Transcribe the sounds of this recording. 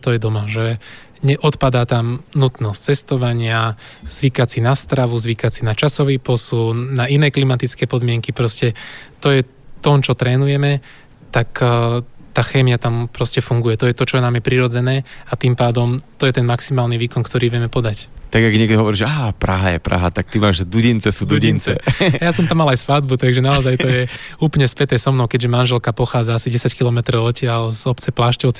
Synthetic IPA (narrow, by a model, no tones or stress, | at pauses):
t̪ɔjɛd̪ɔmaʒɛ | ɲɛʔɔt̪pad̪aːt̪amnut̪nɔsct͡sɛst̪ɔʋaɲɪaz̥ʋikat͡sinast̪ɾaʋuzʋikat͡sinat͡ʃasɔʋiːpɔsunnnainɛːklimat̪it͡skɛːpɔd̪mɪɛŋkipɾɔscɛt̪ɔjɛ | t̪ɔmt͡ʃɔt̪ɾɛːnujɛmɛ | t̪ak | t̪aːxɛːmɪjat̪ampɾɔscɛfuŋɡujɛt̪ɔjɛt̪ɔt͡ʃɔjɛnamjɛpɾiɾɔd͡zɛnɛːat̪impaːd̪ɔmt̪ɔjɛt̪ɛnmaksimaːlniʋiːkɔnkt̪ɔɾiːʋɪɛmɛpɔd̪act̪aɡaɡɲɪɛɡd̪ɔɦɔʋɔɾiːʒɛaːpɾa̰ɦajɛ̰pɾa̰ɦa̰t̪ak̚t̪imaːʒd̪uɟint͡sɛsuːd̪uɟint͡sɛajasɔmt̪amːalajsfad̪̚but̪aɡʒɛnaɔzajt̪ɔjɛ | uːplɲɛspɛt̪ɛsɔmnɔʊkɛɟʒɛmanʒɛlkapɔxaːd͡zaasiɟɛsackilɔmɛt̪ɾɔʊɔcɪalzɔpt͡sɛplaʃcɔʊt͡sɛ